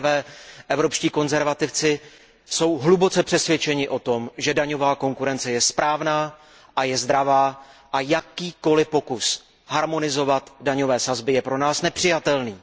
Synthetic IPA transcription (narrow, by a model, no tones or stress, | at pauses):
vɛːʔɛvɾo̞pʃciːko̞nzɛɾvat̪ɪft͡sɪ | so̞wɦlubo̞t͡sɛpr̥ɛsvʲjɛt͡ʃɛɲɪʔo̞t̪o̞mʒɛdaɲo̞vaːko̞ŋkuɾɛnt͡sɛjɛspɾʔaːvnaː | ʔajɛzd̪ɾavaːʔajakiːko̞lɪpo̞kus | haɾmo̞nɪzo̞vat̪daɲo̞vɛːsazbɪjɛpɾo̞naːsnɛpr̥ɪjat̪ɛlniː